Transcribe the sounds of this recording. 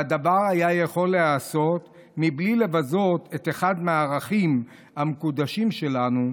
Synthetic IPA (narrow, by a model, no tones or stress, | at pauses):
ad̪avaʁajajeχo̞lːeaso̞t̪ | miblile̞vazo̞t̪e̞t̪eχad̪meaːʁaχim | hamekud̪aʃimʃe̞lanu